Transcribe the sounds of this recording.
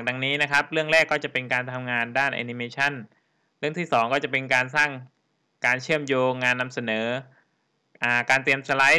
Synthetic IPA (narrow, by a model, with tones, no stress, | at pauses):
a˨˩k̚da˧ŋniː˦˥na˦˥kʰa˦˥p̚ɾɯ˥˩əŋɾɛː˥˩kːɔː˥˩t͡ɕa˨˩pe˧nkaː˧nt̪ʰa˧mŋaː˧ndaː˥˩nʔa̰ː˧ni˧meː˧t͡ɕʰa˥˩n | ɾɯ˥˩əŋt̪ʰiː˥˩sɔː˩˦ŋkɔː˥˩t͡ɕa˨˩pe˧nkaː˧nsaː˥˩ŋ | kaː˧nt͡ɕʰɯ˥˩əmjoː˧ŋːaː˧nːa˧msa˧nɤː˩˦ | ʔaː˧˩kaː˧nt̪ɾi˧əmsa˧la˦˥j